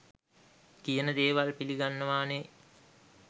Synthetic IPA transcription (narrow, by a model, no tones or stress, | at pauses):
kijənəd̪eːʋalpiliɡanːəʋaːne